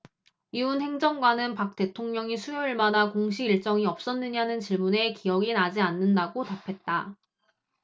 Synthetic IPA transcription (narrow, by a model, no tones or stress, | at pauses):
jiunɦe̞ŋd͡ʑʌŋɡwanɯnpak̚t͈e̞tʰoŋɲʌŋisʰujʌɭmadakoŋɕ̬ʰiɡiɭt͡ɕ͈ʌŋiʌp̚s͈ʌnːɯɲanɯnt͡ɕiɭmune̞kiʌɡinad͡ʑianːɯndaɡotapʰe̞t̚t͈a